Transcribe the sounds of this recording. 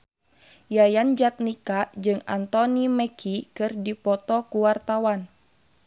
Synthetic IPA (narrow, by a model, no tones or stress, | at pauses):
jajand͡ʒat̪̚nikad͡ʒɨŋa̰nt̪ɔnimɛkʰikɨrdipɔt̪ɔkuwart̪awan